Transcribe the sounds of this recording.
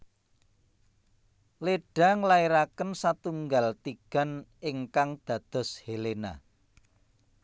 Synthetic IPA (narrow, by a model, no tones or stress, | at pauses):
leɖ̥ä̤ŋəlaiɾakənsat̪uŋɡalt̪iɡ̥a̤nɪŋkaŋd̪̥ä̤d̪̥ɔ̤shelena̰